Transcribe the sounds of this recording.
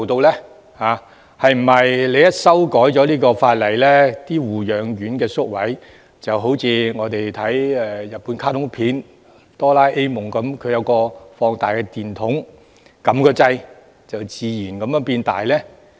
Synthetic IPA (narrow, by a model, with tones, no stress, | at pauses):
wt̪o˧wlɛː˥ | haː˨˧ | hɐ˨jm̩˨˩ɐ˨jle˨˧jɐ˥t̚sɐ˥wkɔː˨˥jt͡ʃɔː˨˥liː˥kɔː˧faː˧t̚lɐ˨˩jlɛː˥t̪iː˥wuː˨jœː˨˧ŋjyː˨˥nkɛː˧sʊ˥k̚wɐ˨˥j | t͡sɐ˨˩wɦo˨˥wt͡sʰiː˨˧ŋɔː˨˧t̪e˨jt̪ʰɐ˨˥jɛ˨˧jɐ˨t̚puː˨˥nkʰaː˥t̪ʰʊ˨˥ŋpʰiː˨˥n | t̪ɔː˥laː˥jʔe˥jmʊ˨ŋkɐ˨˥mkʰɵ˨˧ɥjɐ˨˧wkɔː˧fɔː˧ŋt̪aː˨jkɛ˧t̪iː˨˩nt̪ʰʊ˨˥ŋ | kɐ˨˥mkɔː˧t͡sɐ˧j | t͡sɐ˨wt͡siː˨˧jiː˨˩nkɐ˨˦mjœː˧˥ŋpiː˧nt̪a̰ː˨˩jlɛː˥